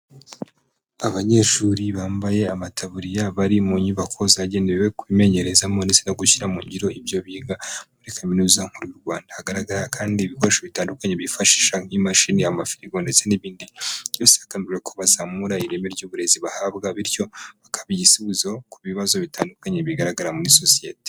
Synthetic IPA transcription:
aβaɲe̞ːʃuːɾiβaːmbaje̞amatʰaβuɾijaβaɾimuɲiβakʰo̞ziaɟe̞ːndeewekβime̞ɲe̞ɾe̞zamo̞ndet͡senaɡuciɾamuːɲɟiɾo̞ibjo̞βiːɡamuɾikʰaminuːzaŋ̥huɾujuɾɡwaːndahaɡaɾaɡaɾakʰaːndiːβikoɾeʃaβitaːndukaɲe̞βifaʃi̥ʃaŋimaʃiniamafiɾiɡo̞nde̞t͡se̞niβiːndijoːsiakaniwekʰoβazamuɾaiɾemeɾɟuːβuɾe̞ziβahabɡaβiɾjo̞βakḁβijisiβuzo̞kuβiβazo̞βitʰaːndukaɲe̞βiɡaɾaɡaɾamuɾiso̞sije̞̰te

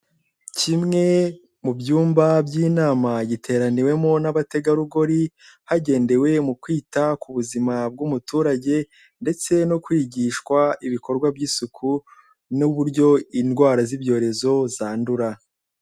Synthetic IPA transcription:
cimŋe̞ | mubjuːmbabɟiːnaːmaɟitʰe̞ːɾaniwe̞monaβate̞ɡaɾuɡo̞ɾi | haɟe̞ːnde̞we̞mukwiːtakuβuzimab̚ɡumutʰuːɾaɟe̞ | nde̞t͡se̞no̞kwiːɟiʃkwaiβikʰo̞ɾɡwabɟiːsukʰu | nuβuɾɟo̞inɡwaːɾazibɟo̞ːɾe̞zo̞zaːnduɾa

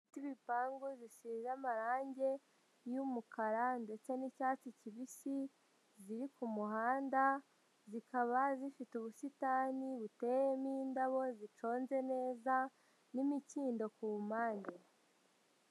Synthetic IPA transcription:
fitiβipaːŋɡoziʃiːzamaɾaːɲɟe̞ | jumukaɾande̞t͡se̞nicaːt͡siciβisi | ziɾikumuhaːnda | zikaβazifituβusitaːniβute̞jemiːndaβo̞zit͡ʃo̞ːnze̞ne̞ːza | nimiciːndo̞kumaːɲde

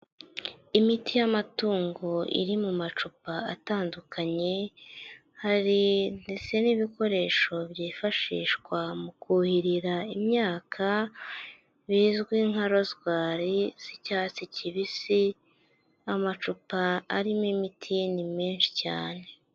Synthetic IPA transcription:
imitʰijamatuːŋɡo̞ḭɾimumat͡ʃupaataːndukʰaɲe̞ | haɾinde̞t͡se̞niβiko̞ɾe̞ːʃo̞βjiːfaʃḭːʃkwamukuhiɾiɾaimɲaːkʰa | βiːzɡwiːŋhaɾo̞zɡwaːɾiz̥icaːt͡sicʰiβisi | amat͡ʃupa̰ːɾimimitʰinime̞ːnʃi̥ca̰ːne̞

